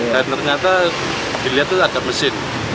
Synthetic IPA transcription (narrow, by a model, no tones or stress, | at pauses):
dant̪ərɲat̪a | d̥iliɦat̪ːuad̥aməsɪn